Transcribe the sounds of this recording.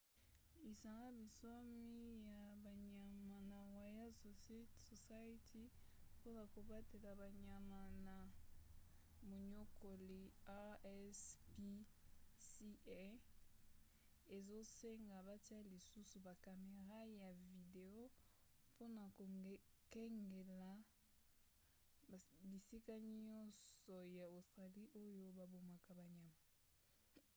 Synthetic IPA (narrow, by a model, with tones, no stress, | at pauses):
i˨sa˨ŋɡa˦bi˨so˦mi˦ja˨ba˨ɲa˨ma˨na˨wa˨ja˦so˨sso˨sa˦i˦tʰi˦ | po˦na˨ko˨ba˦te˨la˨ba˨ɲa˨ma˨na˨ | mo˨ɲo˦ko˨li˨a˦ɛ˦spi˦si˦ɛ˦ | e˨zo˦se˦ŋɡa˨ba˦ti˦a˦li˨su˦su˨ba˨ka˨me˨ʁa˦ja˨vi˨de˨o˦ | po˦na˨ko˨˦kɛ˦ŋɡe˨la˨ | bi˨si˦ka˦ɲɔ˦nsɔ˨ja˨o˨sta˨li˦ʔo˦jo˦ba˨bo˨ma˨ka˨ba˨ɲa˨ma˨